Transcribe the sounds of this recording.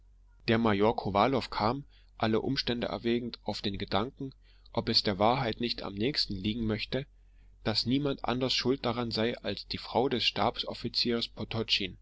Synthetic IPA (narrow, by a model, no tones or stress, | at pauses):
d̥eːɐmajoɐkʰovaːlɔfkʰaːm | ʔaləʔʊ̰mʃtɛndə̰ʔɛ̰ɐvɛːɡŋ̩tʔaʊfd̥eːnɡədaŋkŋ̩ | ʔɔpɛsd̥eːɐvaːɐɦaɪtnɪçta̰mnɛːçstn̩liːɡŋ̩mœçtə | d̥asniːmantʔa̰ndɐsʃʊlt̚d̥aʁanzaɪʔalsd̥iːfʁ̥aʊdɛsʃta̰ːpsɔfit͡siːʁspʰɔtʰɔt͡ʃin